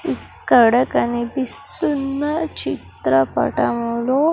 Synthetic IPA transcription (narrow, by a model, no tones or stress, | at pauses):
ikː | ɐɽɐkɐnibist̪unːɐt͡ɕit̪ɾɐpɐ̰ʈɐmulo